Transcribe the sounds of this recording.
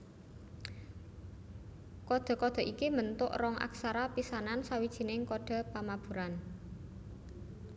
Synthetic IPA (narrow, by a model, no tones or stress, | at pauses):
kɔd̪̥ɔ̤kɔd̪̥ɔ̤ʔikimənt̪ʊ̰ʔrɔŋʔa̰ksaɾapisanansawid̥ʒ̥i̤nɪŋkɔɖ̪̥ɔ̤pamab̥ṳɾan